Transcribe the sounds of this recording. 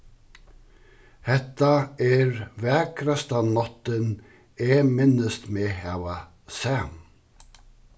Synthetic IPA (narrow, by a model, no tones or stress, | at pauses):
hɛt̪ːaɛɾvɛːkɾast̪anɔt̪ːɪn | ɛːmɪnɪst̪meːhɛːva | sɛːm